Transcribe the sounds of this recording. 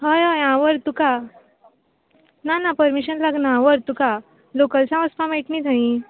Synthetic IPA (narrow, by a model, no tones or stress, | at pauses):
ɦəjajãʋəɾt̪uka | nanapəɾmiɕənlaɡnãʋəɾt̪uka | lokəlt͡sãʋəspʰãmeʈnid̪ʱaĩ